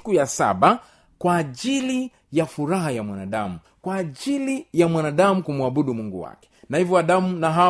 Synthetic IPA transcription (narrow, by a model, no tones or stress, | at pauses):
kujasa̰ɓa | kwaːʄili | jafuɾaɦajamwanaɗamu | kwaːʄilijamwanaɗamukumuaɓuɗumuŋɡṵwa̰kɛ̥nahivjɔaɗamunaɦa